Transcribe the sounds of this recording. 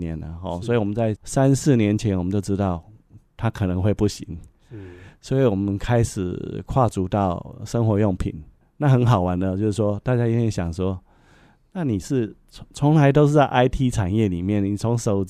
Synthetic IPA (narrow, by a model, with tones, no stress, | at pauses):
nɛ˧˦nə̰˨ɦɔ˥˧˩swɔ˧˥i˨˩wɔ˨˩mə˦nt͡sa˥˩ɪsa˦˥nsɹ̩˥˩njɛ˧˦nt͡ɕʰjɛ˧˦nwmə˦t͡ɕjo˥˧ʊʈ͡ʂɻ̩˥t̪ɑ˥˩ʊt̪ʰa˥kʰɤ˨˩nɤ˧˦ŋxwe˥˧ɪpu˥˩ɕḭ˧˦ŋ | swɔ˧˥i˨˦wɔ˨˩mə˨˦nkʰa˥ɪʂɻ̩˨˩kʰwa˥˨˩t͡su˧˥t̪ɑ˥˩ʊʂə˥ŋxwɔ˧˥jʊ˥˩ŋpʰḭ˨˩˦n | na˥˩xə˧˥nɦɑ˨˩ʊwa˧˦nd̪ə˧t͡ɕjʊʂ̩˥˩ʂwɔ˥t̪a˥˧t͡ɕja˥i˥t̪ʰjɛ˥nɕja˨˩ŋʂwɔ˥ | na˥˩ni˨˩ʂɻ̩ʰ˥˩ | t͡sʰo˧˦ŋla˧˦ɪt̪o˥ʊʂ̬ɻ̩˥˩t͡sa˥˧ɪʔa˥ɪt̪ʰi˥ʈ͡ʂʰa˨˩njɛ˥˩li˨˩mjɛ˥˩nni˨˩t͡sʰo˧˥ŋʂo˨˩ʊ